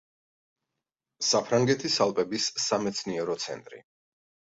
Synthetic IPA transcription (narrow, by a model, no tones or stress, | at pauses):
sapʰɾaŋɡɛt̪ʰisalˠpʼɛbisːamɛt̪sʰniɛɾɔt̪sʰɛ̰nt̪ʼɾḭ